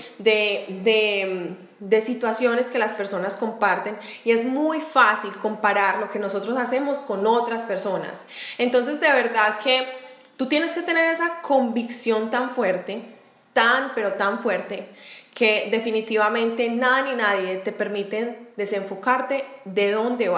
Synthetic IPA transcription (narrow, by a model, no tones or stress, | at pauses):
d̪ed̪e | d̪e̞sit̪wasjo̞ne̞ske̞laspe̞ɾso̞nasko̞mpaɾt̪e̞nie̞zmujfasilko̞mpaɾaɾlo̞keno̞so̞t̪ɾo̞sase̞mo̞sko̞no̞t̪ɾaspe̞ɾso̞na̰sent̪o̞ns̬e̞zd̪e̞βe̞ɾd̪aðke̞ | t̪ut̪je̞ne̞ske̞t̪e̞ne̞ɾe̞sakʰo̞mbiksjo̞nt̪aɱfwe̞ɾt̪e̞ | t̪anpe̞ɾo̞t̪aɱfwe̞ɾt̪e̞ke̞d̪e̞finit̪iβamẽ̞nt̪e̞naðaninaðje̞t̪e̞pe̞ɾmit̪e̞d̪e̞se̞ɱfo̞kaɾt̪e̞ðe̞ðo̞nd̪eβa